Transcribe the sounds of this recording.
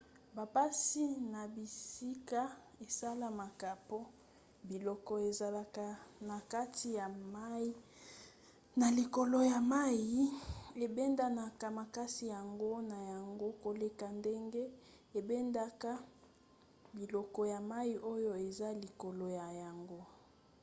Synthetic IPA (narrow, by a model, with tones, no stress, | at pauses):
ba˨pa˦si˦na˨bi˨si˦ka˦ | e˨sa˦la˨ma˨ka˨po˦ | bi˨lɔ˦kɔ˨e˨za˨la˨ka˦na˨ka˦ti˨ja˨ma˦ | na˨li˨ko˨lo˨ja˨ma˦ji˦e˨bɛ˦nda˦na˨ka˦ma˨ka˦si˨ja˨ŋɡo˦na˨ja˨ŋɡo˦ko˨le˦ka˨nde˦ŋɡe˦ | e˨be˦nda˦ka˦ | bi˨lɔ˨kɔ˨ja˨ma˦i˦ʔo˦jo˦e˨za˦li˨ko˨lo˨ja˨ja˨ŋɡo˦